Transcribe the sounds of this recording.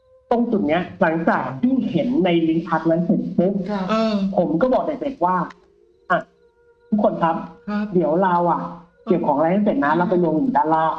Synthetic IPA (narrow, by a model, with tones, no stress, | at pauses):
t̪o˧ŋt͡ɕu˨˩t̪̚ni˦˥ɐla˩˦ŋt͡ɕaː˨˩k̚t̪ʰiː˥˩he˩˦nːa˧jli˦˥npʰa˧˦˥t̪̚laː˧˦˥se˨˩t̪̚su˦˥k̚pʰo˩˦mkɔː˥˩bɔː˨˩k̚da˨˩se˨˩t̪̚waː˥˩ | ʔa˧˩ | t̪ʰu˦˥kʰːo˧nkʰa˦˥p̚di˨˩˦əwlaː˧wʔa˨˩ | ki˨˩əwkʰɔː˩˦ŋɾaː˧˦ha˥˩se˨˩t̪̚na˦˥la˧˩wpa˧lo˧ŋjiː˨˩˦daː˧˩laː˥˩